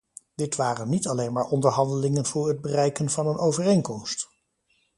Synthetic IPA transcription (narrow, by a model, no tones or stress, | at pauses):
d̥ɪtʋaːrənːitɑlejnmaːɹʔɔndəɹɦɑndəlɪŋənv̥ʊːɹɦəd̚bərɛjkənv̥ɑnənʔowvərejŋkɔmst